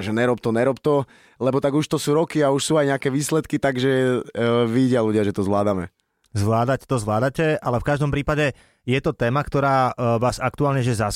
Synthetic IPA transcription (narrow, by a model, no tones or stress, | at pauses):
ʒɛɲɛɾɔp̚t̪ɔɲɛɾɔpt̪ɔ | lɛbɔt̪aɡuʃt̪ɔsuːɾɔkiauʃsuːajɲɛakɛːʋiːslɛt̪kit̪aɡʒɛ | ʋiɟɪaluɟɪaʒɛt̪ɔzʋlaːd̪amɛ̰ | zʋlaːd̪act̪ɔzʋlaːd̪acɛʔalɛfkaʒd̪ɔmpɾiːpaɟɛ | jɛt̪ɔt̪ɛːmakt̪ɔɾaːʋaːzakt̪uaːlɲɛʒɛza